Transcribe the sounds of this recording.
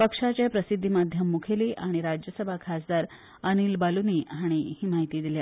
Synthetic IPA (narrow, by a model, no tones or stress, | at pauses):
pəkʂat͡ɕepɾəsid̪ʱːimad̪ʱjəmːukʰeliːʔaɽ̃iɾad͡ʑjəsəbʱakʰasd̪aɾ | əniːlbaluniːaɽ̃ihiːmaɦit̪iːd̪ilja